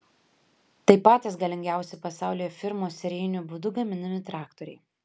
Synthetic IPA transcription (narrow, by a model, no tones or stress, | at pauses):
t̪ɐɪpɑːt̪ʲɐsɡɐlʲɪŋʲɡʲæˑʊsʲɛɪpɐsɑˑʊlʲiːjoːfʲɪɾmoːsʲɛɾʲɛjnʲuˑbʊd̪ʊɡɐmʲɪnʲɐmʲɪt̪ɾɑːkt̪ɔɾʲɛɪ